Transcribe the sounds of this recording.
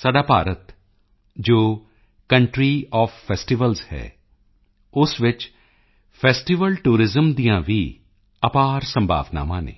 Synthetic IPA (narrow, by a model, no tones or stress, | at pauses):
saːɖaːpaːɾət̪ | d͡ʒoː | kə̃ɳʈɾiːɔːfʰːɛːsʈiʋəlzhɛ̰ː | ʊsʋɪt͡ʃ | pʰɛːsʈiʋəlʈuːɾɪzəmd̪ijãːʋiː | əpaːɾsə̃mbʱa̰ːʋna̰ːmãːnḛ̃ː